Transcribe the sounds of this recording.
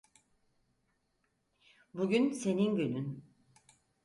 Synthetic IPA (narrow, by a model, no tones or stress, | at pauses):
buɟynse̞ninɟønyn